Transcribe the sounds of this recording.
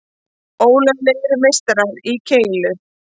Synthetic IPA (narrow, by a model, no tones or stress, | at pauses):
oːwlɛnlɪŋɾmejst̪ɾaðicʰeːjlʏ